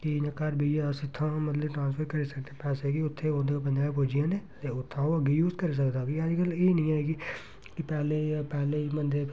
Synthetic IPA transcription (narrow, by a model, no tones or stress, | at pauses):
kinekaːɾbʱijesɪt̪ʰːãmɐt̪ləbʈɾãːnspʰəɾkɐɾesɐk̚t̪epɛːsekiʊt̪ʰːeõːd̪kap̬ɐ̃nd͡ʒaːepoːd͡ʒijãne | eʊt̪ʰːãoɐɡejuːzkɐɾis̬ɐkd̪akiaːd͡ʒkəlenɐɦĩaːeɡi | kipɛːlepɛːleimɐ̃nd̪ʱe